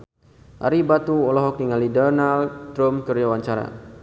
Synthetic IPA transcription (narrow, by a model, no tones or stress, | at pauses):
ʔa̰ɾibat̪uɔlɔɦɔk̚niŋalidɔnaldɾɔmkərd͡ʒawaɲt͡ʃaɾa̰